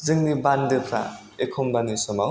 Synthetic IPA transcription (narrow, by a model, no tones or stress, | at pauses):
zɯŋnibandepʰɾa̰ | ekʰumbanisɔmaw